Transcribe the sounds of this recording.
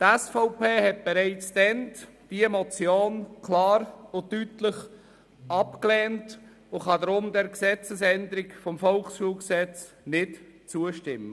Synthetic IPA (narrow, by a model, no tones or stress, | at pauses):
tɛsfɔʊpeːɦɛt̚b̥ɛɾaɪt͡sd̥̪ɛnd̥iemɔt͡sjoːnkʰlɑːɾʊtytləχ | ʔɑpklɛːnt | ʊχɑdɾʊmdɛɾksɛt͡səsɛnd̪əɾɪkfɔmfɔlχsʃuːlɡsɛt͡s | nɪtt͡suəʃtɪmːə